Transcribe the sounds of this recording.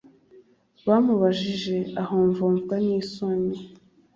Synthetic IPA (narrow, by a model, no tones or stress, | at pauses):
βaːmuβaʒiʒe̞ahoːɱvoːɱvɡaniːsoɲe